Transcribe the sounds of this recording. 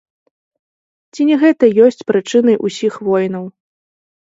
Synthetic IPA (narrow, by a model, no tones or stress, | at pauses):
t͡sʲinʲɛɣɛt̪ɐjɔsʲt͡sʲpɾɨt͡ʂɨnɐjʔusʲixvɔjnɐw